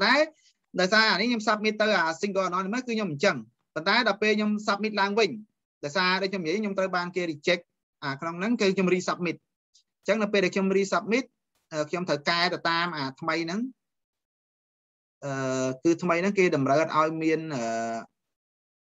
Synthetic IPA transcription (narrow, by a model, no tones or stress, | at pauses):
pnt̪aɛ | ɗaɔjsaːanɨhɲomsap̚mit̪ːɨwʔaːsiŋkoːanɔnimɨkɨːɲoməɲt͡ɕəŋ | pont̪aɛɗɑəpeːlkɲomsap̚mit̪̚laəŋʋɨɲ | ɗaɔjsaːɗɔkʰɲomjiəjʔʰɲomt̪rəwɓaːnkeːɾik̚t͡ɕɛk̚ | ʔaːkʰnoŋnɨŋkɨːkʰɲomriːsap̚mit̪̚ | ɲt͡ɕəŋnɨwpeːlɗaɛkʰɲomriːsap̚mit̪̚ | ʔəːkʰɲomt̪ʰəwkaɛt̪awt̪aːmʔaːt̪ʰməjnɨŋ | ʔəːkɨːt̪ʰməjnɨŋkeːɗɑmrəːət̪̚ʔaɔjmiənʔəː